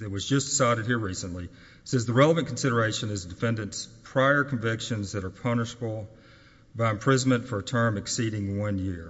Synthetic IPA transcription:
ɨt̚wʌzd͡ʒʌsd̥ɨsaɪɾɨd̚hiɹɹisɨ̃nʔli | sɛzðɨɹɛlˠəvɨ̃nkʰn̩sɪɾə˞eɪʃɨ̃nɨzdɨfɛ̃ndɨ̃ntspʰɹ̥aɪə˞kʰɱvɪkʃɨ̃nzðɨɾə˞pʰʌnɨʃəbl̩ˠ | baɪɨ̃mpʰɹ̥ɪzn̩mɨ̃ntfə˞ɨtʰɜ̃˞mɨksiɾɪ̃ŋwʌ̃njɪɹ

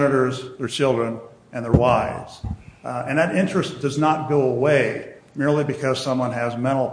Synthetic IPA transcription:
nɨɾə˞zðə˞t͡ʃʰɪlˠdɹɨ̃n | ʔɨ̃nðə˞waɪvz̥ɨ̃nðɨɾɪ̃nt͡ʃɹ̥ɨsd̥ʌznət̚ɡ̥oʊəweɪmɪɹlˠibɨkʰʌz̥sʌ̃mwʌ̃nɨzmɛ̃ɾ̃l̩ˠ

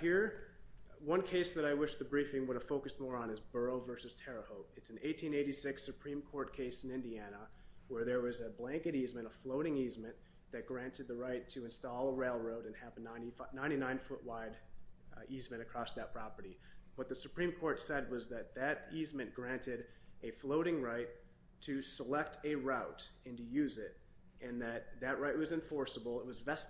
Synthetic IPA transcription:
hɪɹ | wʌ̃nkʰeɪsðɨɾaɪwɪʃðɨbɹifɪ̃ŋwʊɾɨv̥foʊkɨst̚mɔɹə̃nɨzbɜ˞oʊvɜ˞sɨz̥tʰɛɹəhoʊp̚ɨtsn̩eɪtʰĩneɪɾisɪksɨpʰɹ̥ĩmkʰɔɹt̚kʰeɪsn̩ɪ̃ndiænəwə˞ðə˞wʌzɨblæ̃ŋkɨɾizmɨ̃ɾ̃əfloʊɾɪ̃ŋizmɨ̃n | ðɨt̚ɡ̥ɹæ̃ntɨd̪̚ðɨɹaɪtʰɨɨ̃nstɔlˠəɹeɪlˠɹoʊɾɨ̃nɨvənãɪ̃nifnãɪ̃ɾ̃inãɪ̃nfʊʔwaɪɾ | izmɨ̃ɾ̃ɨkʰɹ̥ɔsðɨt̚pʰɹ̥ɑpə˞ɾiwʌt̪̚ðɨsɨpʰɹ̥ĩmkʰɔɹtsɛd̚wʌzðɨt̪̚ðɨɾizmɨ̃nɡ̥ɹæ̃ntɪɾ | ʔɨfloʊɾɪ̃ŋɹaɪtʰ | ɨsəlɛk̚tʰɨɹaʊɾɨ̃ntɨjʉzɪɾ | ɨ̃nðɨt̪̚ðɨʔ̚ɹaɪt̚wʌzɨ̃ɱfɔɹsəbl̩ˠət̚wʌzvɛs

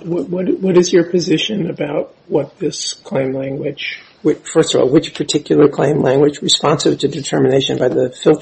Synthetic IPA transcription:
wʌt̚wʌɾwʌɾɨzjə˞pʰɨzɪʃɨ̃nɨbaʊt̚wʌt̪̚ðɪskʰl̥ẽɪ̃mlæ̃ŋɡwɪd̥ʒ̥ | wɪfɜ˞stəvɔ̰lˠwɨt͡ʃpʰə˞tʰɪkʰjl̩ˠə˞kʰl̥ẽɪ̃mlæ̃ŋɡwɨd͡ʒɹɨspɑ̃nsɨv̥tʰɨdɨtʰɜ˞mɨneɪʃɨ̃nbaɪðɨfɪlˠt

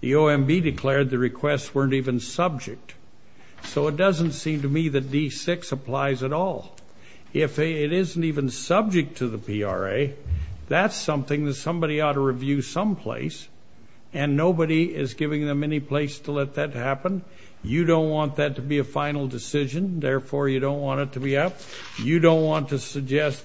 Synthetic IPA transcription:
ðḭoʊɛ̃mbidɨkʰl̥ɛɹd̪̚ðɨɹɨkʰw̥ɛstswɜ̃˞ntivɨ̃nsʌb̚d͡ʒɨk̚t̚ | soʊət̚d̥ʌzə̃n̩tsĩmtɨmiðɨt̚d̥isɪksəpʰl̥aɪzɨɾɔlˠ | ɪfɪɾɪzn̩tivɨ̃nsʌb̚d͡ʒɨk̚tʰɨðəpʰiɑ̰ɹḛɪðætsʌ̃mθɪ̃ŋðɨtsʌ̃mbɑɾiɔɾəɹivjʉsʌ̃mpʰl̥ḛɪs | ɨ̃nːoʊbɨɾiɪzɡɪvɪ̃ŋðɨ̃mɛnipʰl̥eɪstʰəlɛt̪̚ðɨt̚hæpə̃n | jɨɾõʊ̃nʔ̚wɑ̃nðɨtʰɨbiɨfãɪ̃nl̩ˠdɨsɪʒɨ̃nðɛɹfɔɹjɨɾõʊ̃nʔwɑ̃ɾ̃ɨtʰɨbiʌp̚ | jɨɾõʊ̃nʔ̚wɑ̃ntʰɨsɨɡ̚d͡ʒɛst

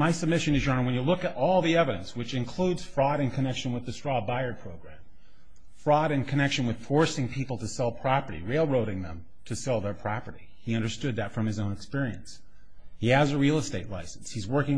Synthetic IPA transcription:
maɪsəb̚mɪʃɨ̃nɨd͡ʒə̃˞n̩ˠwə̃njɨlʊkɨɾʔɔlˠðiɛvɨɾɨ̰̃nswɨt͡ʃɨ̃nkʰl̥udz̥fɹɔɾɨ̃nkʰɨnɛkʃɨ̃nwəðɨstɹ̥ɔbaɪə˞pʰɹ̥oʊɡɹæ̃m | fɹɔɾɨ̃nkʰɨnɛkʃɨ̃nwɨð̥fɔɹsɪ̃ŋpʰipl̩ˠtʰɨsɛlˠpʰɹ̥ɑpə˞ɾḭɹeɪlˠɹoʊɾɪ̃ŋðə̰̃m | tʰɨsɛlˠðə˞pʰɹ̥ɑpə˞ɾi | iʌ̃ndə˞stʊd̪̚ðɨtfɹʌ̃mɨzõʊ̃nɨkspɪɹiɨ̃ns | hiɨzəɹilˠəsteɪtˡla̰ɪsn̩shizwɜ˞kɪ̃ŋ

